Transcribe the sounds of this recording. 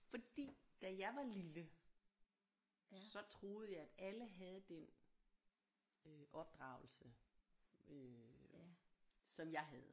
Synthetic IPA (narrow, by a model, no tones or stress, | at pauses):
fɒ̽d̥ḭːd̥æjɑ̈ɪʋɑ̈lilə | ssɒ̽t͡sʰʁo̝ːð̞̩ˠjɑ̈ɪæd̥æləɦæð̞ˠd̥en | øʔɒ̽b̥̚d̥ʁɑ̈ʊl̩sə | ø | sɒ̽mjɑ̈ɪɦæð̞ˠ